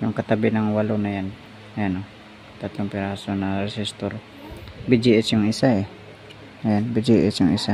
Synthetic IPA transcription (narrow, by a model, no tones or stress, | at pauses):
jʊŋkɐt̪abɪnɐŋwalonajan | jano | kɐt̪at̪ompɪɾasonaɾɛsist̪oɾ | bɪd͡ʒiʔɛsjʊŋɪsaɛ | janbɪd͡ʒiʔɛsjʊŋɪsa